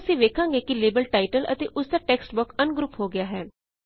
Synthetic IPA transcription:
sĩːʋeːkʰãːŋɡeːkileːbəlʈaːɪʈələ̰t̪eːʔʊsd̪aːʈɛːksʈbʊkənɡɾuːpɦoːɡɪjaːɦɛː

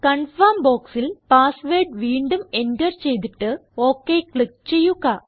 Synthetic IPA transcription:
kɐɳfɐmboːksilpaːsʋeːɖʋiːɳɖume̞ndɐrt͡ɕe̞jt̪̬iʈːɨo̞ːkːekɭik̚t͡ɕe̞jːuɣɐ

